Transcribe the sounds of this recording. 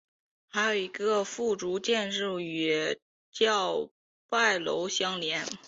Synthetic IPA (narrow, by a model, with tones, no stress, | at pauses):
xa˧˥ɪjo˨˩ʊi˧˥ɡə˧fu˥˩ʈ͡ʂu˧˥t͡ɕjɛ˥˧nɻ̩˥˩y˨˩ | t͡ɕjɑ˥˧ʊ | pa˥˩ɪlo̰˧˥ʊɕjɑ˥ŋljɛ˧˥n